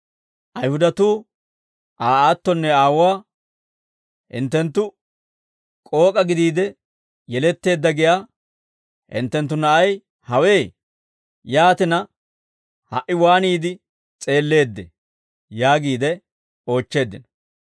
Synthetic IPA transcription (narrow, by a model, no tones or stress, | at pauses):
ʔɐjhʊd̪ɐt̪uː | ʔaːaːt̪ːɔnːɛaːwaː | hɪ̰nt̪ːɛnt̪ːʊ | kʼo̞ːkʼɐɡɪd̪iːd̪ɛ | jɛlɛt̪ːe̞ːd̪ːɐɡɪjaː | hɪ̰nt̪ːɛnt̪̬ːʊnɐʔɐj | hɐwe̞ː | jaːt̪ɪnɐ | hɐʔɪwaːniːd̪ɪ | t͡sʼe̞ːlːe̞ːd̪ːɛ̰ | jaːɡiːd̪ɛ | o̞ːt͡ʃːe̞ːd̪ːɪnɔ